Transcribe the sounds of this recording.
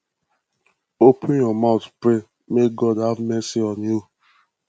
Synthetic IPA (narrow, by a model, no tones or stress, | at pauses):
opʰũnjɔmaʊtpɾe | mek̚ɡɔdhavmɛsiɔnio